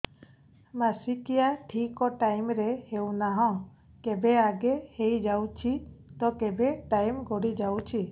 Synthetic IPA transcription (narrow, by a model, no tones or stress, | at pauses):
masikijaʈʰikɔʈajmɾɛhewnaɦɔ̃ | kɛbɛaɡɛhejd͡ʒawt͡ʃʰit̪ɔkɛbɛʈajmɡɔɽid͡ʒawt͡ʃʰi